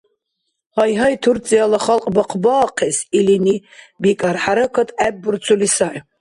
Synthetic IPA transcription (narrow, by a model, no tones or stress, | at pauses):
hajɦajt̪ʰuɾt͡sʼijalaχalˠqʼbɔqʰbaːqʰɛsilini | bikʼaɾħaɾakʰat̪ʰʼɛbːuɾt͡sʰulisaʕ